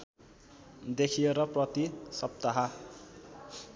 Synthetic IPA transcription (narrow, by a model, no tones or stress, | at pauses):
d̪ekʰijeɾʌprʌt̪isʌp̚t̪aɦa